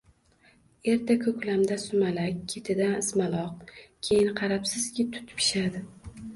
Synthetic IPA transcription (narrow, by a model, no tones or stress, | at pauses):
e̞ɾt̪ʰakʰɵkʲlamd̪asʊmalakʲʰːe̞t̪ʰɪd̪anɪsmalˠɒq̚kʲʰe̞jɪnqʰɑɾapsɪzkʲɪt̪ʰʊ̥t̪ʰpʰɪ̥ʃad̪ɪ